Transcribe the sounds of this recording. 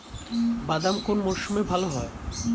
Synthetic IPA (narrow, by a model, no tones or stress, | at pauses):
bad̪amkonmoʃumebʱaloɦɔe